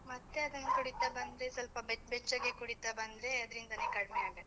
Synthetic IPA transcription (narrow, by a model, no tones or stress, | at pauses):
mɐt̪ːe̞ɐd̪ɐnːɐkuɽit̪abɐnd̪ɾesɐlpɐbebɛt͡ʃːɐɡekuɽit̪abɐnd̪ɾeɐd̪ɐɾind̪ɐnikɐɽmeaːɡɐ